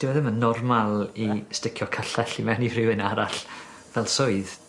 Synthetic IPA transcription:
d̥ɪwɛðəmənːɔrmalˠistɪkʰjɔkʰəɬɛɬimɛnivrɪwɨnaɾaɬ | vɛlˠsʊɨð

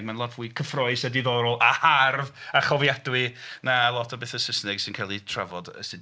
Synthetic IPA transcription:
ɡ̚manlˠɔtvuːɨkʰəfrɔɨsədiðɔɾɔlˠaharvaχɔvjadwinalˠɔtʰɔbeːθəsəsnɛɡ̥sɪnkʰalˠitʰra̰vɔdə̰sɪd

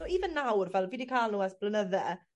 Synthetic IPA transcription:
oiːvənːawrvɛlˠviːdikʰaːlˠnuːasb̥lənəðɛ

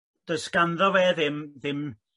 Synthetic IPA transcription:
d̥əsɡanðɔvɛːðɪmðɪm

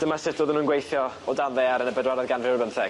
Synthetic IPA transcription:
d̥əmasɪtd̥oːðənuːnɡwejθjɔɔdanðɛaɾənəbədwaɾɔðɡanrɪrbənθɛ̥

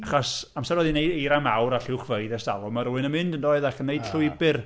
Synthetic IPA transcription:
aχɔsamsɛɾwɛðinejdejɾamawɾaɬɪwχvəɨðɛsta̰lˠɔmaɾuɨnəmɨndəndɔɨðakənːeɨd̥ɬʊɨbɨr

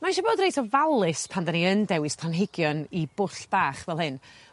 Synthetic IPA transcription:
manʃɔboːdrejtʰɔvalˠɨspʰandaniəndɛwɨstʰanɦɪɡjɔnibʊɬb̥aːχvɛlˠhɨn

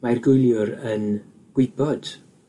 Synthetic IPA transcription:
majrɡʊjlˠjʊɾən | ɡ̥wɪbɔd̥

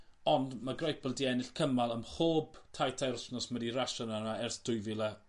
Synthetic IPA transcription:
ɔndmaɡrajpəlˠdiɛnɪɬkʰəmalˠəmχoːb̥tʰajtʰaɾsnɔsmədiraʃɔnanaɛrθd̥ʊjvɪlˠɛ

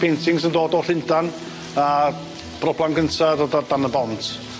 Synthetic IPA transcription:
pʰejntʰɪŋsəndoːdɔɬɪndan | a | b̥rɔblˠanɡəntʰadodadanəbɔntʰ

